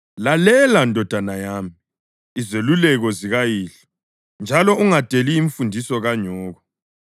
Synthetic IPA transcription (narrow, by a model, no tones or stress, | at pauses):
lalɛlandʱɔd̥ʱanajaːmiiː | zelulɛɣɔziɣajiːɬɔ̥ | nd͡ʒʱalɔuŋad̥ʱeliːɱfundʱisɔɣaɲɔːɣɔ